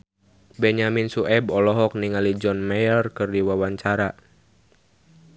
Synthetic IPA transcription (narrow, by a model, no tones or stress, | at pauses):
bɛɲaminsuʔɛbɔlɔɦɔk̚niŋalid͡ʒɔnmajərkɨrdiwawaɲt͡ʃaɾa